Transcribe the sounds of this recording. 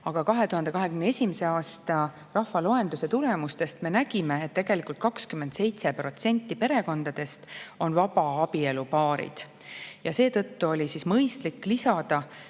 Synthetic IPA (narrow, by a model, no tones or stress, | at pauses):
ɑɡ̥ɑkɑɦe̞t̪uɦɑnd̪e̞kɑɦe̞kymnee̞sʲimese̞ɑːst̪ɑ | rɑhfɑlo̞e̞nd̪use̞t̪ulemust̪e̞st̪me̞næɡ̥ime̞ːt̪ːe̞ɡ̥e̞likult̪̚kɑkskymend̪se̞jt̪se̞pro̞t̪se̞nʲt̪ːˑipe̞ɾe̞ko̞nd̪̥ɑd̪̥e̞st̪o̞nvɑbɑɑbie̞lupɑːɾḭd̪̥ | jɑse̞ːt̪ɤ̞t̪ːuo̞lʲisismɤjst̪likːlisɑd̪̥ɑ